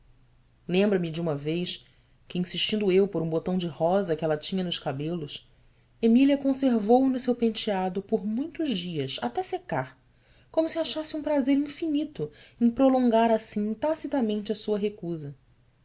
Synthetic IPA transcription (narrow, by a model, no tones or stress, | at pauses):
lẽmbɾɐmɪd͡ʒɪũmɐvejs | kɪĩsiʃt͡ʃĩnd̪ʊewpoɾũbot̪ɐ̃w̃d͡ʒɪhɔzɐkɪɛlɐt͡ʃĩɲɐnʊʃkabelʊs | emiliɐkõseɾvownʊsewpẽnt͡ʃiad̪ʊpoɾmũj̃t̪ʊʒd͡ʒiɐsa̰t̪ɛsekaɾ | kõmʊsɪaʃasɪũpɾazeɾĩfinit̪ʊẽj̃pɾolõŋɡaɾasĩt̪asit̪amẽnt͡ʃɪɐsuɐɦekuzɐ